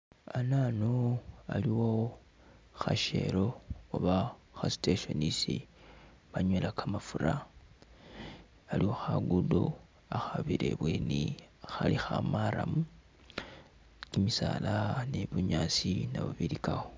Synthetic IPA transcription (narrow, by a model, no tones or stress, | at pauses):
ananoaliwo | xaʃe̞̰ɾo̞ːβaxasi̥teʃo̞nisi | βaɲwelakʰamafuɾa | aliwo̞xaɡudo | axaβiɾḛβwenixalixa̰maɾa̰mu | kimisalaneβuɲaːsinaβaβiɾikawo